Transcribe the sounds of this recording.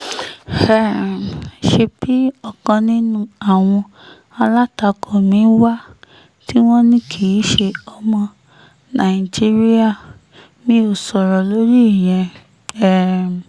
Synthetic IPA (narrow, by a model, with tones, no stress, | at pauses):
hɛ˦˨ | ʃe˧bi˦ɔ˦˨kɔ̃˧nĩ˦nũ˦a˦˨w̃ɔ̃˧ | a˧la˦ta˧kʰɔ˨mĩ˨˦wa˦ | ti˦w̃ɔ̃˦nĩ˦kʰi˨i˨˦ʃe˧ɔ˧mɔ̃˧ | nã˨i˨d͡ʒi˦ɾi˦a˦˨ | mĩ˦o˦˨sɔ˨ɾɔ˨lo˨˦ɾi˦˨j̃ɛ̃˧ | ɛ˦˨